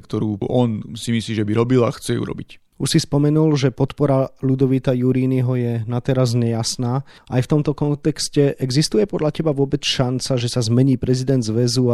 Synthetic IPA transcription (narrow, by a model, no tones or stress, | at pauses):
kt̪ɔɾuːʔɔnsimisliːʒɛbiɾɔbila̰xt͡sɛṵɾɔ̰bic | uʃsispɔmɛnulʒɛpɔt̪pɔɾalud̪ɔʋiːt̪ajuɾiːniɦɔjɛnat̪ɛɾazɲɛjasnaːʔajft̪ɔmt̪ɔkɔnt̪ɛkscɛʔɛɡzist̪ujɛpɔd̪lacɛbaʋʊɔbɛt͡sʃant͡saʒɛsazmɛɲiːpɾɛzid̪ɛnd̪zʋɛzua